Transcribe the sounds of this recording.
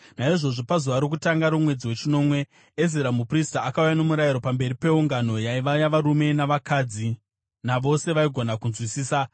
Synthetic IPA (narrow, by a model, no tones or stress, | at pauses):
naiʐo̞ʐo̞pazuʋaɾik̬utaŋɡaɾumwe̞d͡ziwe̞t͡ʃino̞mwe̞ː | ziɾamupristaːkaujano̞muɾajiɾo̞pambe̞ripe̞uŋɡano̞jaiʋajaʋaɾume̞naʋakaːd͡zi | naʋo̞se̞ʋaiɡʱo̞nakunzwisiːsa